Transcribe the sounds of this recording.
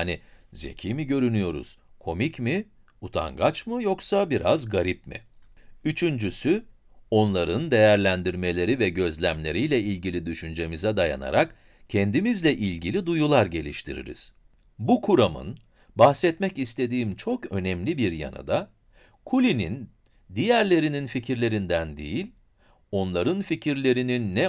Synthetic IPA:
anize̞̰cʰiːmiɟø̞ɾynyjo̞ɾṵz̥kʰo̞micmi | ut̪ʰa̰ŋɡat͡ʃmɯjo̞ksabiɾazɡaɾip̚mḭyt͡ʃʰynd͡ʒysy | o̞nlˠaɾɯnd̪e̞jæɾlʲænd̪iɾme̞lʲe̞ɾivɛɟø̞zlʲæmlʲe̞ɾijlʲɛilʲɡɟilʲid̪yʃynd͡ʒe̞mizɛd̪aja̰na̰ɾak | cʰɛnd̪imizlʲɛʔilʲɟilʲid̪ujulˠaɾɟe̞lʲiʃt̪ʰiɾḭɾḭz̥ | bukʰuɾamɯ̰n | bahsɛt̪mɛcist̪ʰe̞d̪iːmt͡ʃʰo̞kø̞nɛmlʲibiɾja̰na̰d̪a | kʰulʲinḭn | d̪ijæɾlʲe̞ɾininficʰiɾlʲe̞ɾind̪ænd̪ḛjilʲ | o̞nlˠaɾɯnficʰiɾlʲe̞ɾininːɛ

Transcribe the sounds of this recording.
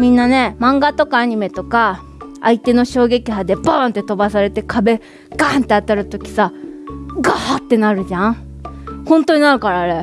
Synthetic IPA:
mʲĩnːane̞mãŋɡat̪o̞kaːɲ̟ime̞t̪o̞ka | ait̪e̞no̞ɕo̞ːɡe̞kʲiɦad̪e̞baːnt̪ːe̞t̪o̞basaɾe̞t̪e̞kʰabe̞ | ɡ̥aːnt̪ːe̞at̪aɾɯ̟t̪o̞kʲi̥sa | ɡaːt̪ːe̞naɾɯ̟ʑã | hõ̞nt̪o̞ɲ̟inaɾɯ̟kaɾaːɾe̞

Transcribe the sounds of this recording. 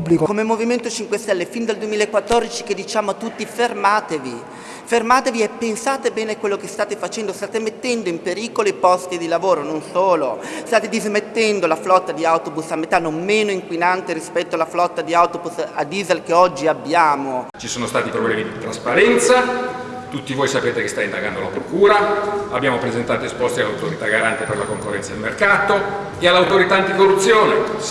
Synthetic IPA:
publikokomemːoviment̪ot͡ʃiŋkwest̪ɛlːefind̪ald̪uemiːlaekːwat̪ːɔrd̪it͡ʃi̥ked̪ːit͡ʃaːmoat̪ːut̪ːifermaːt̪evi | fermaːt̪eviepːensaːt̪ebɛːnekwelːokest̪aːt̪efat͡ʃɛnd̪ost̪aːt̪emet̪ːɛnd̪oimpeɾiːkoloipɔst̪id̪ilavoːɾononsoːlost̪aːt̪ed̪izmet̪ːɛnd̪olaflɔt̪ːad̪iawt̪obusamːet̪anːommeːnoiŋkwinant̪eɾispɛt̪ːoalːaflɔt̪ːad̪iawt̪obusad̪iːzelkeɔd͡ʒːiabːjaːmot͡ʃisoːnost̪aːt̪ipɾoblɛːmid̪it̪ɾaspaɾɛnt̪sa | t̪ut̪ːivoːjsapeːt̪ekest̪aind̪aɡand̪olapɾokuːɾaabːjaːmopɾezent̪aːt̪oespɔst̪ialːawt̪oɾit̪aɡaɾant̪eperlakoŋkorːɛnad̪elmerkaːt̪o | ealːawt̪oɾit̪aant̪ikorːut̪sːjoːne

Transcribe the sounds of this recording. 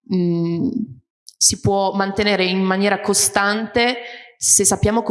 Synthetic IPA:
sipwɔmant̪eneːɾeinmːanjɛːɾakost̪ant̪esesːapːjaːmok

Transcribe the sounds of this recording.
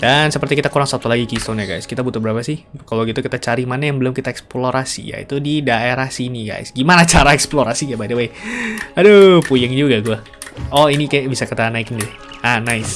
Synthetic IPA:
dansəpərt̪ikit̪akuɾaŋsat̪ulaɡikist̪onɲaɡa̰jskit̪abut̪ʊlbəɾapasɪhkalawɡit̪ukit̪at͡ʃaɾimanajaŋbəlʊmkit̪aɛksploɾʔasḭja̰ḭt̪udidaeɾahsiniɡa̰jsɡimanat͡ʃaɾaɛksploɾasijabadəwejadopujəŋd͡ʒuɡaɡua | ɔinikajabisakat̪anaɪkinidɛh | anajs

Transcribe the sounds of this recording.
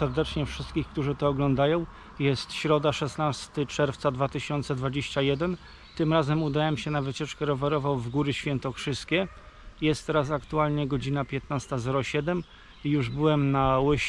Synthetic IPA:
sɛɾd̪ɛt͡ʂɲɛfʂɘst̪kʲixk̚t̪uʐɘt̪ɔːɡlɔnd̪ajɔ̃w̃ | jɛst̪ɕɾɔd̪aʂɛsnast̪ɘt͡ʂɛɾft̪sad̪vat̪ɘɕɔnt̪sɛd̪vad͡ʑeɕt͡ɕajɛd̪ɛn | t̪ɘmɾazɛmud̪awɛmɕɛnavɘt͡ɕɛt͡ʂkɛɾɔvɛɾɔvawvɡuɾɘɕfʲjɛnt̪ɔkʂɘskʲɛ | jɛst̪ːɛɾas̬akt̪ualɲɛɡɔd͡ʑinapʲjɛt̪nast̪azɛɾɔɕɛd̪ɛm | ijuʐbɘwɛmnawɪɕ

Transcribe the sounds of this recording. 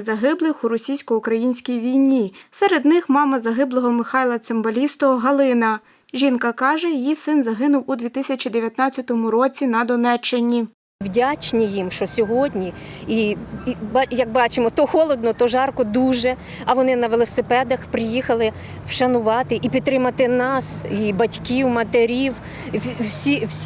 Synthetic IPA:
zɐɦɪblˠɪxuɾɔsʲijsʲkɔukɾɐjinʲsʲkʲijʋʲijnʲisɛɾed̪nɪxmɑmɐzɐɦɪblˠɔɦɔmɪxɑjlˠɐt̪sembɐlʲist̪ɔɦɐlˠɪnɐ | ʒʲinkɐkɑʒɛjijisɪnzɐɦɪnʊwud̪ʲʋʲit̪ɪsʲɐt͡ʃʲid̪eʋʲjɐt̪nɑt͡sʲːɐt̪ɔmʊɾɔt͡sʲinɐd̪ɔnɛt͡ʃːɪnʲi | wdʲat͡ʃnʲijimʃt͡ʃɔsʲɔɦɔdʲnʲii | bjɐk̚bɑt͡ʃɪmɔt̪ɔxɔlˠɔd̪̚nɔt̪ɔʒɑrkɔd̪uʒɛ | ɐʋɔnɪnɐʋelˠɔsɪpɛd̪ɐxpɾɪjixɐlˠɪ | wʃɐnʊʋɑt̪ɪʔipʲid̪̚t̪ːɾɪmɐt̪ɪnɑsibɐtʲkʲiwmɐt̪eɾʲiw | sʲiwsʲ

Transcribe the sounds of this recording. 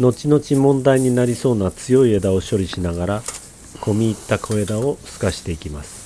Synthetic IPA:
no̞t͡ɕino̞t͡ɕimõ̞nd̪aiɲ̟inaɾʲiso̞ːnat͡sɨjo̞ied̪ao̞ɕo̞ɾʲiɕinaɡaɾa | kʰo̞mʲiːt̪ːakʰo̞e̞d̪ao̞sɨ̥kaɕi̥t̪e̞ikʲimasɨ̥

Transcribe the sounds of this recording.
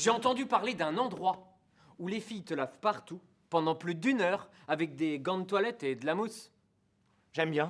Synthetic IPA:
ʒeɑ̃t̪ɑ̃d̪ypaʁled̪ɛ̃nɑ̃d̪ʁwa | ulefijt̪əlavpaʁt̪u | pɑ̃d̪ɑ̃plyd̪ynœʁ | avɛk̚d̪eɡɑ̃d̪t̪walɛt̪ed̪əlamus | ʒɛmbjɛ̃

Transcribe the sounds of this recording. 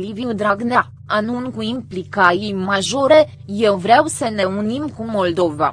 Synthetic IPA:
liviud̪ɾaɡna | anunkuimplikajijmaʒo̞ɾe̞ | je̞wvɾeawsəne̞unimkumo̞ld̪o̞va̰

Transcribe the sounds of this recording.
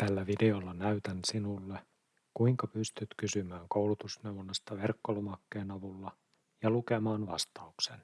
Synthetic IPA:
t̪ælːæʋide̞olːɑnæyt̪ænsinulːe | kuiŋkɑpyst̪yt̪kysymæːŋkowlut̪usnewʋonːɑst̪ɑʋerkːolomɑkːeːnɑʋulːɑ | jɑluke̞mɑːnʋɑ̰st̪ɑuksen

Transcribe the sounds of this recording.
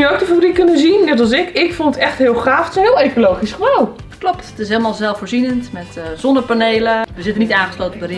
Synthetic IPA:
jəowk̚dəfaʋorikɵnənzinnɛt̬ɑlˠsɪkɪkfonətɛχtɦɪəlˠχraːftɦɪːlˠejkolowχisχəbalˠ | klɔpttɪsɦeːləmaːlˠzɛlˠfoːɹzinəntmɛtz̥ɔndəɹpanejləʋəzɪtənitãːχə̥sloːwtəbərɪ

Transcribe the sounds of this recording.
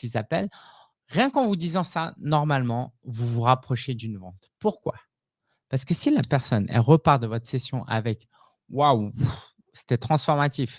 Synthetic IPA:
sizapɛl | ʁjɛ̃kɑ̃vud̪izɑ̃sanɔʁmalmɑ̃vuvuʁapχɔʃed̪ynvɑ̃t̪puʁkwa̰ | paʁsə̥kəsilapɛʁsɔnɛ̰lʁəpaʁd̪əvɔt̪χsesjɔ̃ʔa̰vɛk | waw | se̥t̪ɛt̪χɑ̃sfɔʁmat̪if

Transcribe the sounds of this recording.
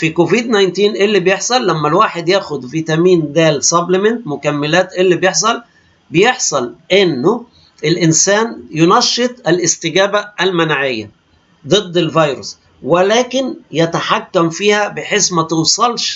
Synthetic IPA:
fikoviːd̪najnt̪iːnʔelːibjeħsˤɑlːæmːælwaːħed̪jæːxʊd̪viːt̪æmiːnd̪æːlsɑblɪment̪mʊkæmːelæːt̪ʔelːibjeħsˤɑl | bejeħsˤɑlʔenːʊ | ʔelʔɪnsæːnjʊnɑʃːet̪ˤʔælʔɪst̪ɪɡæːbæʔælmænʕɪjːæ̰ | d̪ˤɨd̪ːelvɑjɾo̰s | welæːkɪnjæt̪aħakːæmfiːhæbeħeːsmæt̪owsˤɑlʃ

